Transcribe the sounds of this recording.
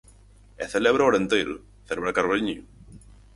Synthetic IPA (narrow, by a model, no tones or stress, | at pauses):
eθeleβɾaoɾent̪ejɾʊ̰ | θeleβɾakaɾliɲu